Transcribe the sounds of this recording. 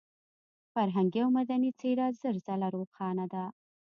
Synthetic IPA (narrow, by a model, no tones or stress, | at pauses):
faɾɦaŋɡiawmad̪anit͡seɾɑzəɾzalaɾoxɑnad̪a